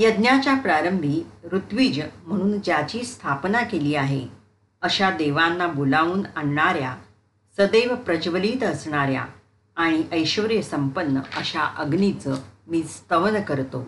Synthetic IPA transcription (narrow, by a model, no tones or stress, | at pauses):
jəd̪njat͡ɕjapɾaɾəmbʱiːɾut̪ʋiːd͡ʑm̤əɽ̃uːnd͡ʑjat͡ɕiːst̪ʰapnakeliːaɦe | əɕad̪eʋanːabulauːnaɳːaɾja | səd̪eʋpɾəd͡ʑʋəliːt̪əsɳ̃aɾja̰ | aɽ̃iʔəjɕʋəɾjəsəmpənːə̰əɕaʔəɡnit͡səmiːst̪əʋnkəɾt̪o